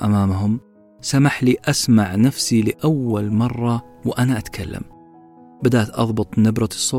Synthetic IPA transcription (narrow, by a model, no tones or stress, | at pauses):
ʔamaːmɦʊm | samaħliʔasmaʕnafsilɪʔawːalmɑrˤːɑwʔanaʔat̪kʰalːa̰m | bɪd̪aːt̪ʔɑ̰ðˤbʊt̪ˤnabɾˤɑsˤːoː